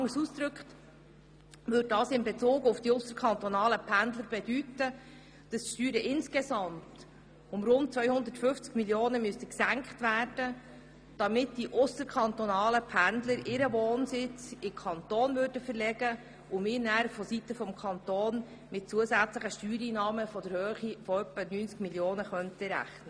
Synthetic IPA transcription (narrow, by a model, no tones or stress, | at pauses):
ɑŋəsuːsd̪ɾɵkχt | ʋøddɑːsɪmbɛt͡suːɡʊfd̥iʊsəɾkʰχɑnt̪ɔnɑːləpʰænd̪ləɾbɛdytə | d̥ɑsʃtyːɾəʔɪnskɛsɑmt | ʊmrʊnt̚t͡sʋœʏhʊnd̪ətfʏft͡skmiljoːnəmystəksæŋkχtvæːrd̥ə | d̥ɑmɪtdiʔʊsəɾkʰɑnt̪ɔnɑːləpʰænd̪ləɾɪɾəʋoːnsɪt͡sɪmkʰɑnt̪oːnvʏɾrdəfəɾlɛɡ̥ə | ʊmɪːnæɾfɔsitəfɔmkʰɑnt̪oːn | mɪt̚t͡suəzæt͡sləχəʃtyːɾiːnɑːməfɔd̥əɾhøːχifɔœpːənyːnt͡skmiljoːnəχœnt̪əɾæ̰χnə